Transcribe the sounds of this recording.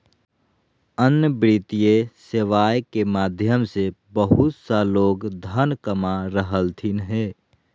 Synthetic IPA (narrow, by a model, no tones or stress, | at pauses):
ənjəbɾit̪ijeseʋaːjkemaːd̪ʱjəmsebəɦut̪saloːɡd̪ʱənkəmaɾəɦəlt̪ʰinɦe